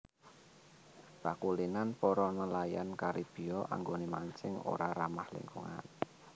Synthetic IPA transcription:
b̥akulinanpɔɾɔnəlajankaɾib̥i̤ɔʔa̰ŋɡonemaɲt͡ʃɪŋo̰ɾaɾamahlɪ̰ŋkuŋa̰n

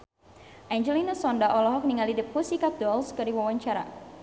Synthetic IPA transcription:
ʔaɲd͡ʒɛlinasɔndaʔɔlɔɦɔk̚niŋalidip̚usikap̚dɔlskəɾiwawaɲt͡ʃaɾa

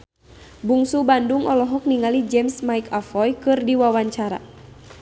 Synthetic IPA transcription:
buŋsubanduŋʔɔlɔɦɔk̚niŋalid͡ʒɛmsmajkafɔjkɨrdiwawaɲt͡ʃaɾa̰

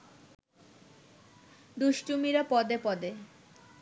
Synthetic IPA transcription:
d̪uʃʈumiɾapɔd̪epɔd̪e

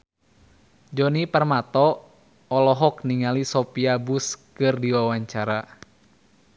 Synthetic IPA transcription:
d͡ʒɔnipərmat̪ɔː | lɔɦɔk̚niŋalisɔpiabuskɨrdiwawaɲt͡ʃaɾa

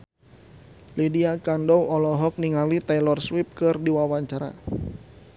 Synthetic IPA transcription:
lidiakandɔwɔlɔɦɔk̚niŋalit̪ajlɔrswip̚kɨrdiwawaɲt͡ʃaɾa̰

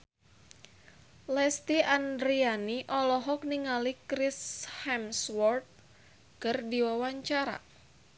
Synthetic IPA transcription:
lɛst̪iʔandɾianiʔɔlɔɦɔk̚niŋalikɾɪshɛmswɔrt̪̚ | kərdiwawaɲt͡ʃaɾa̰

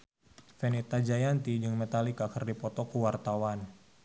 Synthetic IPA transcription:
fɛnet̪ad͡ʒajant̪id͡ʒɨŋmet̪alikakərdipɔt̪ɔkuwart̪awan

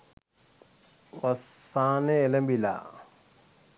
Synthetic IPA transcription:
wasanɛːlembila̰

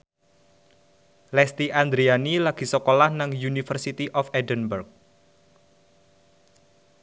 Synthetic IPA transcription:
lɛst̪iʔand̪ɾianilaɡ̥i̤sɔkolahnaŋjunifərsit̪iʔɔfɛdənbərk̚

